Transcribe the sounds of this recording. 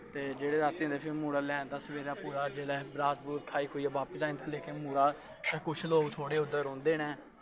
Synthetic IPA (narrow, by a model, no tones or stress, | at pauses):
t̪eːd͡ʒeːɽeːsaːt̪ːĩnd̪eːpʰɪmuːɽaːlɛ̃ːnt̪ãːsəʋeːɾãːpuːɾaːd͡ʒeːɽɛːbɾaːd͡ʒbuːt̪kʰaːiːkʰoːiːɛːʋaːpəsaːĩːt̪ʰãːleːkeːmuːɾaː | d͡ʒãːkʊt͡ʃʰloːɡt̪ʰoːɽeːʊd̪əɾõːnd̪eːnɛː